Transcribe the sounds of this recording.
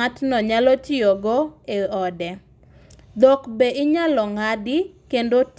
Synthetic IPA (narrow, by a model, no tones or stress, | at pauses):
atnɔɲalotioɡoeɔdɛ | d̪okbeʔɪɲalɔŋadɪkendot